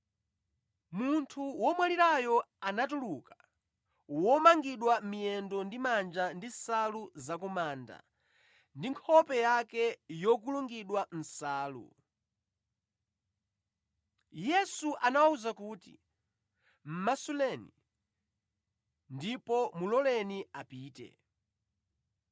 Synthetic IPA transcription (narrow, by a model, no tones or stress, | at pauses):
muntʰuwɔmwaliɾajɔanatulukḁ | wɔmaŋɡiɗwamijɛndɔndimand͡ʒandisaluzak̬ɔmaːnda̰ | ndiŋkʰɔpɛjakɛjɔk̬uluŋɡiɗwan̩saːlṵ | jɛsuʔanawauzakuːtḭ | m̩masulɛnḭ | ndipɔmulɔlɛniapiːtɛ̰